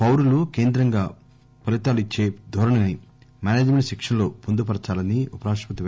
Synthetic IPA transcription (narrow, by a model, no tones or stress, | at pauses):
pɐwɾuluke̞ːnd̪ɾɐŋɡaː | pɐlit̪aːluit͡ʃːe̞ːd̪ʱoːɾɐɳɐnimaːneːd͡ʒmeɳʈʃɛkʂɐnlo̞ːpond̪upɐɾt͡ʃaːlɐniupɐɾaːʂpɐt̪iʋ